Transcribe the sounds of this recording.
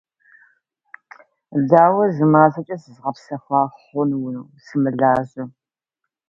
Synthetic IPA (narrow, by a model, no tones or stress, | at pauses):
daːwɐzɨmaːzɐt͡ʃʼɐsɨzʁɐpsɐfɑːχʷɔnwʊnwsɨmɨɮaːʑɐ